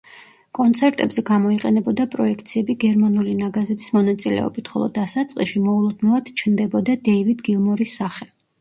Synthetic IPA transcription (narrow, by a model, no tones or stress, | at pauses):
kʼɔnt̪sʰɛɾt̪ʼɛbzɛɡamɔiqʼɛnɛbɔd̪apʼɾɔɛkʰt̪sʰiɛbiɡɛɾmanulinaɡazɛbismɔnat̪sʼilɛ̰ɔ̰bit̪ʰχɔ̰lˠɔ̰d̪asat̪sʼqʼiʃimɔulˠɔd̪nɛlˠad̪̥t͡ʃʰnd̪ɛbɔd̪ad̪ɛivid̪ɡilˠmɔɾisːaχɛ